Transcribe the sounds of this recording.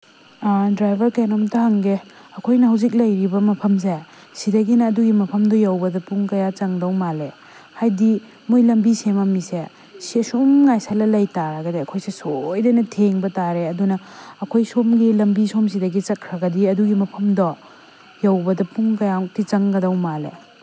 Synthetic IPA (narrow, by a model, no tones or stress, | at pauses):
dɾajbʱɐɾkenomtɐɦɐŋɡe | ɐkʰojnɐɦɐwzik̬̚lɐjɾibɐmɐpʰɐms̬e | sidɐɡinɐːduɡimɐpʰɐmdɔjawbɐdɐpuŋkɐjat͡ʃɐŋdɐwmale | hajdi | mojlɐmbisemɐmise | sisumŋajsalɐlɐjtaɾɐɡɐdiɐkʰojsesojdajnɐtʰeŋbɐtaɾeɐdunɐːkʰojsomɡilɐmbisoms̬idɐɡit͡ʃɐkʰɾɐɡɐdiɐduɡimɐpʰɐmdɔ | jawbɐdɐpuŋkɐjatit͡ʃɐŋɡɐdɐwmale